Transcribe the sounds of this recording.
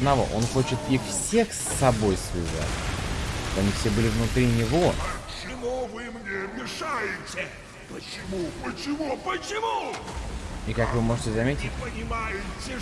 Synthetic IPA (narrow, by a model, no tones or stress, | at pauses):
d̪nɐvo̰ʔo̞̰nxo̞t͡ɕɪt̪ɪfsʲe̞xsːɐbo̞jsvʲɪ̰za̰tʲ | t̪oɐnʲifsʲe̞bɨlʲɪvnʊt̪ɾʲinʲɪvo̞t͡ʃɪmuvɨmnʲemʲɪʂajɪtʲɪ | pət͡ɕɪmupət͡ɕɪmupət͡ɕɪmu | ikakvɨmo̞ʐɨtʲɪzɐmʲetʲɪtʲpənʲɪmajɪtʲɪ